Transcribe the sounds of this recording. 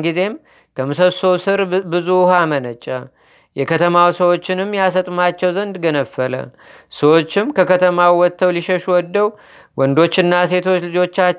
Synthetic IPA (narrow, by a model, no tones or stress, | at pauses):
ɡize̞m | kʰəmɨsəsowsɨɾbɨzuhamənət͡ʃʼːə | jɛkʰət̪ʰəmawsəwo̞t͡ʃːɪnɨmːjasət̪ʼmat͡ʃːɛwzənd̪ɡənəfːələ̰ | səwo̞t͡ʃːɪmkʰəkʰət̪ʰəmawwɔt̪ʰːəwliʃəʃuwɔd̪ːəw | wʔɔnd̪o̞t͡ʃːɨnːase̞t̪ʰo̞t͡ʃlɨd͡ʒo̞t͡ʃːa